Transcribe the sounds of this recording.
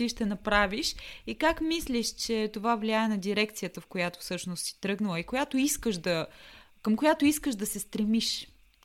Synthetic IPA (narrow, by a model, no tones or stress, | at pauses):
t̪iʃt̪ɛnɐpɾaviʃikakmislʲiʃt͡ʃɛt̪ovavliaɛnɐd̪ʲiɾɛkt̪sijət̪əfkojat̪o̥fsɤʃnost̪si̥t̪ɾɤɡnəlˠəikojat̪oiskəʃd̪ɐ | kəmkojat̪oiskəʒd̪ɐsɛst̪ɾɛmiʃ